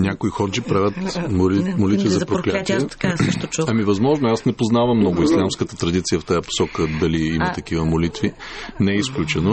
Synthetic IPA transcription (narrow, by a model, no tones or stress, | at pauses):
nʲakoixɔd͡ʒipɾavʲət̪mmolit̪vʲizɐpɾoklʲat̪iɛaʃt̪ɐmivɐzmɔʒnoasnɛpoznavɐmːnɔɡʊislʲamskət̪ət̪ɾɐd̪it̪sijəft̪ajəpo̥sɔkəd̪ɐliimɐt̪ɐk̟ivəmolit̪vinɛɛisklʲut͡ʃɛno